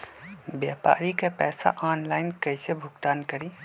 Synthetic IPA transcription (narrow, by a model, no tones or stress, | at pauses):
bjaːpa̰ːɾikapɛːsa̰ʔaːnlaːɪnkɐisebʱʊɡt̪aːnkəɾĩː